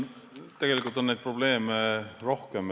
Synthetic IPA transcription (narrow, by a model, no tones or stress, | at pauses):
t̪e̞ɡ̥e̞likːˑult̪ːˑo̞nːejd̪̥̚pro̞b̥le̞ːmero̞hkem